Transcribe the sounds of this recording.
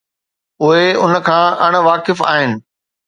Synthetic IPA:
ʊɦeʊnə̆kʰãːʔɐɽ̃ʋaːkɪfa̰ːɦɪnɪ̆

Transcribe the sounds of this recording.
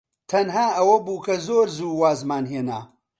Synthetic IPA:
t̪ʰɐnɦaːɐwɐbuːkʰɐzoːɾzuːwaːzmaːnɦeːna̰ː

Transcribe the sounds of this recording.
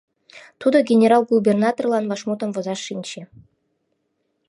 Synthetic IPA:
t̪ud̪ɤ̆ɡʲenʲeɾɑlˠɡubʲernɑt̪orlˠɑnvɑʂmut̪ənvɤ̆zɑʂːinʲɕe

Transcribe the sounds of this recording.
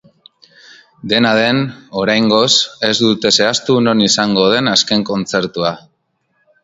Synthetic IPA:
d̪e̞nað̞e̞no̞ɾajŋɡo̞se̞zd̪ut̪e̞se̞ast̪uno̞nisaŋɡo̞ð̞e̞naske̞ŋko̞nt͡se̞ɾt̪ua

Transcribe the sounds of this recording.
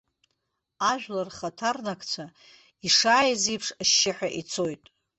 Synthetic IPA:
aʒᶣlarχatʰarnakʰʼt͡sʷʰa | iʂaːjzijpʰʂaʃːɪħʷᶣaʔit͡sʰo̞jtʼ

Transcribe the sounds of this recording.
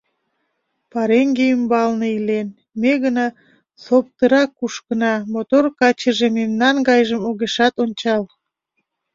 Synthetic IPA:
pɑɾeŋɡeymbɑlneilen | meɣənɑ | sop̚t̪əɾɑkːuʃkənɑmot̪orkɑt͡ɕəʒememnɑnɡɑjʒəmoɣeʃɑt̪onʲt͡ɕɑl

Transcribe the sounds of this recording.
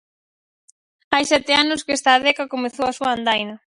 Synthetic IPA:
ajsɛt̪eanʊskest̪aːðɛkakomeθowasuaand̪ajnɐ

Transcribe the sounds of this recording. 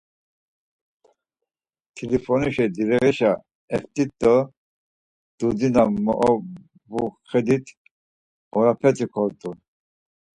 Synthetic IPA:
t̪ʰilifɔniʃɛd̪iɾɛʁɛʃa | ɛft̪ʼit̪ːə | d̪̥ud̪inamɔ̰ʔɔ | buχɛd̪it̪ʰ | ɔɾapʰɛt͡sʼikʰɔɾt̪ʼun

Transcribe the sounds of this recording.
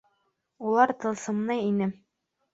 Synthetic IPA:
ulˠɑɾt̪ɤ̆lˠsɤ̆mnɤinɘ

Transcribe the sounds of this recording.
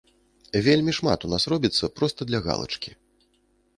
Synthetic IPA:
vʲelʲmʲiʂma̰t̪unasɾɔbʲit̪sːɐpɾɔst̪ɐd̪lʲɐɣa̰lˠɐ̰t͡ʂkʲi

